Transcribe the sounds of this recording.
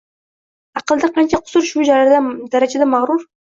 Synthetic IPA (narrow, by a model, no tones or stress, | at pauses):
ɑqɨlˠd̪aqʰɑnt͡ʃʰaqʰʊ̥sʊɾʃud͡ʒaɾaɾd̪ad̪aɾad͡ʒad̪amaʁɾʊɾ